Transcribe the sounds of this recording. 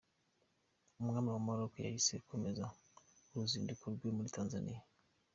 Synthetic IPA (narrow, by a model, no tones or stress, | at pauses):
muɡanawamaɾɔkɔja̰isekʰomeza | uɾuzindikuɾɡwemulitanzanḭja